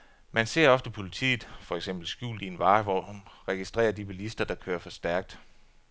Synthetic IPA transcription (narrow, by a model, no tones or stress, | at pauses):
mænse̝ɐ̰ɒ̽fd̥əpʰo̝lit͡sʰḭːð̩ˠfɒ̽eɡ̥semb̥l̩sɡ̥jṵːld̥ienʋɑ̈ːʋɒnʁɛɡ̥isd̥ʁɛ̰ːɐd̥ibelisd̥ɐd̥ɑ̈kʰøːɐfɒ̽sd̥æɐɡ̥̚d̥